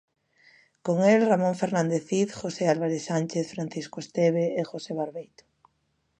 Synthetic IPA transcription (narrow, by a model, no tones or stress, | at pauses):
koŋelramõɱfeɾnãnd̪eθiθxosealβaɾesanʲt͡ʃeθfɾanθiskoest̪eβeːxoseβaɾβejt̪o̥